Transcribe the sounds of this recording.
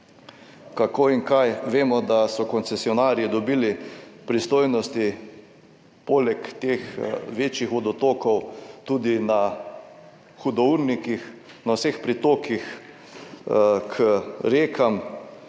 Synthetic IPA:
kakoːiŋkajʋeːmɔd̪asɔkɔnt̪sɛsiɔnaːɾjid̪ɔbiːlipɾist̪oːjnɔst̪i | poːlɛkt̪eːxʋeːt͡ʃjixʋɔd̪ɔt̪oːkɔwt̪uːd̪ina | xud̪ɔuɾnikix | nawsexpɾit̪oːkix | kʰəɾeːkʰam

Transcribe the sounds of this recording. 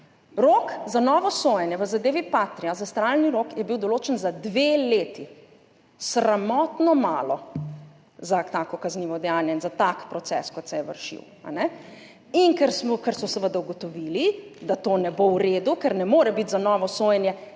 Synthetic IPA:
ɾoːkzanɔːʋɔsoːjɛnjɛʋəzad̪eːʋipaːt̪ɾiazast̪ɾalniɾokjɛbiwd̪ɔloːt͡ʃɛnzad̪ʋeleːt̪i | sɾamɔːt̪nɔma̰ːlɔ | zat̪akɔkazniːʋɔd̪ɛjaːnjɛinzat̪akpɾɔt̪sɛ̰skɔt̪sɛjɛʋə̰ɾʃḭw | a̰nɛ | inkɛɾsmɔkɛɾsɔsəʋəd̪auɡɔt̪ɔʋiːlid̪at̪oːnɛbowɾeːd̪ukɛɾnɛmoːɾɛbit̪zanɔːʋɔsoːjɛnjɛ

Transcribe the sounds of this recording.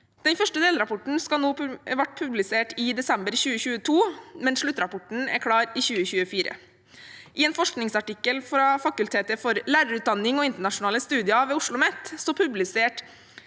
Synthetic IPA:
d̪̥ɛnfœʂʈəd̪eːləɾɑpʰɔʈn̩skɑnoːʋɑʈ̚pʰʉblɪseːʈɪd̪ɛsɛmbəɾçʉːəçʉːət̪ʰuːmɛnʂɭʉt̪ːɾɑpʰɔʈɳ̩æ̰ɾkʰɽɑːɾiːçʉːəçʉːəfiːɾə̰ | ʔɪeːnfɔʂknɪŋsɑʈɪkːəlfɾɑfɑkʉlt̪ʰeːt̪əfɔɾlæːɾəɾʉt̪̚d̪ɑnːɪŋɔɪnt̪əɳɑʂʊnɑːləst̪ʉːd̪ɪɑʋɛːʊʂɭʊmɛt̪ːsoːpʰʉblɪseːʈ

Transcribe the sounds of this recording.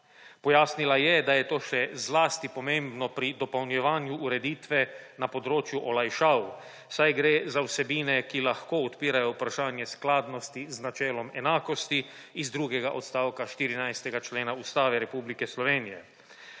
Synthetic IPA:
pɔjaːsnilajɛd̪ajɛt̪oːʃɛzlaːst̪ipɔmẽmbnɔpɾid̪ɔpɐwnjɛʋaːnjuʔːɾɛd̪iːt̪ʋɛnapɔd̪ɾoːt͡ʃjuʔɔlajʃaːw | sajɡɾeːzawsɛbiːnɛkilaxkoːɔt̪piːɾajɔupɾaʃaːnjɛsklaːd̪nɔst̪iznat͡ʃɛːlɔmɛnaːkɔst̪iː | zd̪ɾuːɡɛɡaʔɔt̪st̪aːwkaʃt̪iːɾinajst̪ɛɡat͡ʃleːnaust̪aːʋɛɾɛpublikɛslɔʋeːnijɛ

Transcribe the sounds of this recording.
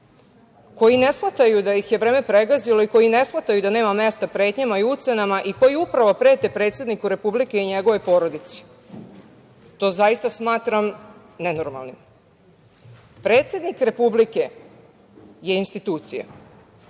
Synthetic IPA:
ko̞jine̞smat̪ajud̪ajixje̞ʋɾe̞ːme̞pɾe̞ɡazilo̞iko̞jine̞smat̪ajud̪ane̞ːmame̞st̪apɾe̞ːt̪ɲamaiut̪senamaʔiko̞jiupɾaʋo̞pɾe̞ːt̪epɾe̞ːt̪sje̞d̪nikuɾe̞publike̞iɲe̞ɡo̞ʋo̞jpo̞ːɾo̞d̪it̪si̥ | t̪o̞ːzaist̪asmaːt̪ɾam | ne̞no̞ɾma̰lˠnim | pɾe̞ːt̪sje̞d̪nikɾe̞publike̞ | je̞inst̪it̪uːt̪sija̰

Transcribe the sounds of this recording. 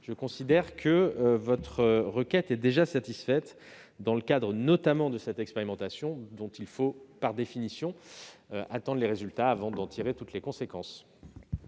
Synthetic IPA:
ʒ̥əkɔ̃sid̪ɛʁkʰəvɔt̪χəʁəkʲɛt̪ɛd̪eʒasat̪isfɛt̪ | d̪ɑ̃ləkad̪ʁənɔt̪amɑ̃d̪əsɛt̪ɛkspeʁimɑ̃t̪asjɔ̃d̪ɔ̃t̪ilfopaʁd̪efinisjɔ̃ʔat̪ɑ̃d̪ʁleʁezylt̪aːvɑ̃d̪ɑ̃t̪ʰiʁet̪ut̪lekɔ̃sekɑ̃s

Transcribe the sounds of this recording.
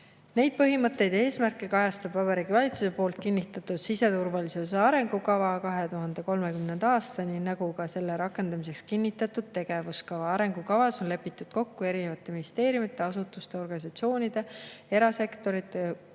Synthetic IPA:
ne̞jd̪̥̚pɤɦimɤt̪ːˑe̞jd̪e̞ːsmærkːˑekɑjɑst̪ɑbvɑbɑɾiːɡivɑlʲit̪suse̞poːlt̪̚kinːit̪ːˑɑt̪ːˑud̪̥sise̞t̪urvɑlisuseɑɾe̞ŋɡ̥ukɑvɑkɑɦe̞t̪uɦɑnd̪̥e̞ko̞lme̞kymnend̪̥ɑːst̪ɑninɑɡukɑse̞lːe̞ɾɑkːˑe̞nd̪̥ɑmise̞kskinːit̪ːˑɑt̪ːˑud̪̥̚t̪e̞ɡ̥e̞vuskɑvɑɑɾe̞ŋɡukɑvɑso̞nle̞pːˑit̪ːˑud̪̥ko̞kːue̞ɾinevɑt̪ːˑe̞minist̪e̞ːɾjumit̪ːˑeɑsut̪ːˑust̪e̞o̞rɡ̥ɑnis̬ɑt̪sio̞ːnʲid̪̥e̞e̞ɾɑse̞kt̪o̞ɾit̪ːˑe

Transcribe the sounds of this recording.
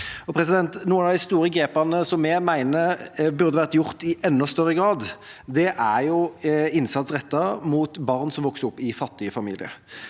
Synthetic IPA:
ɔpʰɾɛsɪd̪ɛnt̪nuːənd̪ɛɪst̪uːɾəɡɾeːpɑnəsɔmːɛmæɪnəbʉʁd̪əʋæːʁət̪jʊʁt̪ɪʔɛnːɔst̪œʁːəɡɾɑːd̪d̪ɛʔæʁjʊɪnsɑt̪sʁɛt̪ːɑmuːt̪bɑʁnsɔmʋɔksəɔpːɪfɑt̪ːɪəfɑmḭːlɪ̰ə̰

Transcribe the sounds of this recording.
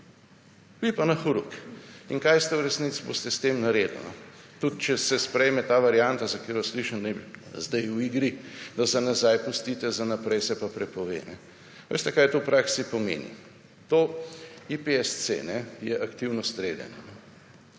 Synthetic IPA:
ʋipanɐxuɾukiŋkajst̪ɛwɾɛsnit̪sibo̰st̪ɛst̪eːmnaɾed̪ṵnɔ | t̪ut̪̚t͡ʃɛsɛspɾɛjmɛt̪aːʋaɾjant̪azɐkjeːɾʋasliʃənd̪ajzd̪ɛjuiɡɾid̪ɐsɛnazajpust̪it̪ɛzanapɾɛjsɛpapɾɛpɔʋḛːnɛ̰ | ʋḛːst̪ɛkajt̪opɾʔaksipɔmḛːnḭ | t̪oipeɛssḛnɛjɛʔakt̪iwnɔst̪ɾeːd̪ɛ̰nɔnɔ

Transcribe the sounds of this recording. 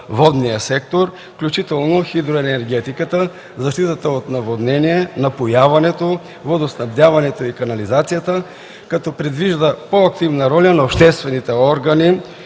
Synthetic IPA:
vɔd̪nijəsɛk̚t̪oɾ | fklʲut͡ʃit̪ɛlˠnoxid̪ɾoɛnɛɾɡɛt̪ikət̪ə | zɐʃt̪it̪ət̪əot̪nɐvod̪nɛniɛnɐpojavɐnɛt̪o | vod̪osnɐvd̪ʲjavɐnɛt̪oikɐnɐlizat̪sijat̪ə | kɐt̪ɔpɾɛd̪viʒd̪əpoɐkt̪ivnɐɾɔlʲɐnɐopʃt̪ɛst̪vɛnit̪ɛɔɾɡɐni

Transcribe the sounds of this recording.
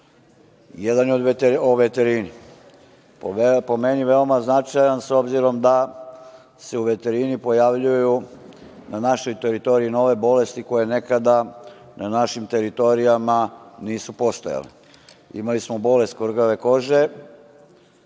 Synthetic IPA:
jed̪anjeo̞d̪ʋet̪oʋet̪eɾini | po̞meniʋe̞o̞maznat͡ʃajanso̞bziɾo̞md̪a | se̞uʋe̞t̪e̞ɾinipo̞jaʋʎuju | nanaʃo̞jt̪e̞ɾit̪o̞ɾiino̞ʋe̞bo̞le̞st̪iko̞je̞ne̞kad̪ananaʃimt̪e̞ɾit̪o̞ɾijamaniːsupo̞st̪oja̰lḛ | ḭmalismo̞bo̞le̞st̪kʋrɡaʋe̞ko̞ʒe̞

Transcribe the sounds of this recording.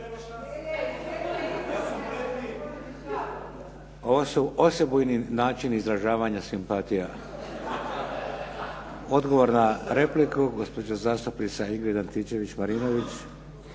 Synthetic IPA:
oʋosuo̞sjebujninaːt͡ʃinizɾaʒaːʋaɲasimpat̪ija | o̞d̪ɡo̞ʋo̞ɾnaɾeplikuɡo̞spod͡ʑazaːst̪opnit̪saiɡɾed̪ant̪it͡ʃe̞ʋit͡ɕmaɾinoʋit͡ɕ

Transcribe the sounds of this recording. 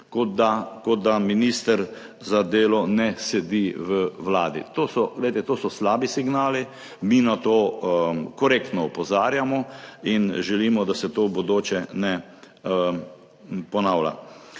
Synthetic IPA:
kod̪akɔd̪̚d̪aminiːst̪əɾ | zad̪eːlɔnɛsɛd̪iːʋəʋlaːd̪ḭt̪oːsɔɡlɛɪt̪ɛt̪oːsɔslaːbisiɡnaːli | miːnat̪oːkɔɾekt̪nɔɔpɔzaːɾjamɔinʒɛliːmɔd̪asɛt̪oːbod̪oːt͡ʃɛnɛ | pɔnawla̰

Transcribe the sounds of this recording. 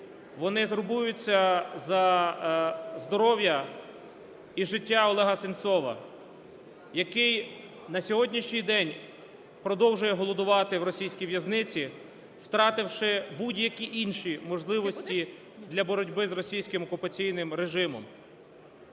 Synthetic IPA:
ʋɔnɪt̪ʊɾbujʊt͡sʲːɐzɐ | zd̪ɔɾɔwjɐ | iʒɪtʲːaɔlˠɛɦɐsɪnt̪sɔʋɐ̰ | jɐkɪj | nɐsʲɔɦɔdʲnʲiʃnʲijd̪ɛnʲ | pɾɔd̪ɔwʒʊjɛɦɔlˠɔd̪ʊʋɑt̪ɪwɾɔsʲijsʲkʲijʋjɐznɪt͡sʲi | wt̪ɾɑt̪ɪwʃɪbudʲjɐkʲiʔinʃimɔʒlˠɪʋɔsʲtʲi | d̪lʲɐbɔɾɔdʲbɪzɾɔsʲijsʲkɪmɔkʊpɐt͡sʲijnɪmɾeʒɪmɔ̰m

